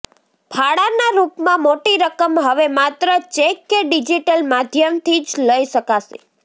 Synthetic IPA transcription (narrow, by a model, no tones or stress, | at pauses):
bʱaɽanaɾupmãmoʈiɾəkəmɦəʋemat̪ɾət͡ʃekːeɖid͡ʒiʈəlmad̪ʱjəmt̪ʰid͡ʒləiʃəkaʃḛ